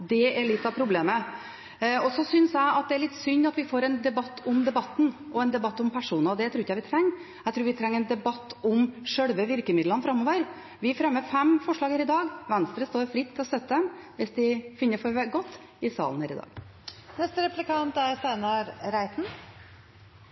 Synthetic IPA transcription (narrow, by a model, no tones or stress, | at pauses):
d̪ɛɛɭɪt̪ːɑpʰɾʊbleːmə | ɔsɔsʏnsæɪɑt̪̚d̪ɛæɾɭɪt̪ːsʏɲːɑt̪ʋɪfoːɾɛnd̪ɛbɑt̪ːʊmd̪ɛbɑt̪ːnʔɔɛnd̪ɛbɑt̪ːʊmpʰæʂuːnɑd̪ɛt̪ʰɾuːɾɪçæɪʋɪt̪ʰɾɛŋː | æɪt̪ʰɾuːɾʋɪt̪ʰɾɛŋːɛɪnd̪ɛbɑt̪ːʊmʂœɽʋəʋɪɾkəmɪd̪lənəfɾɑmːoːʋəɾ | ʋɪfɾɛmːəfɛmfɔʂɭɑːɡhæːɾɪd̪ɑːɡʋɛnst̪ɾəst̪oːɾfɾɪt̪ʰːɪlɔsœt̪ːəd̪ɛmʋɪsd̪ɪfɪnːəfɔɾɡɔt̪ː | ɪsɑ̰ːln̩hæ̰ːɾɪ̰d̪ɑ̰ːɡnɛst̪əɾɛplɪkʰɑnt̪æɾsæɪnɑɾɾæɪt̪n̩